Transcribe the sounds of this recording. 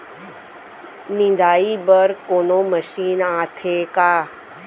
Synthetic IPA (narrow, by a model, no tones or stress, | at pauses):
nĩnd̪ʱaːibəɾkoːnoməʃiːnaːt̪ʰekaː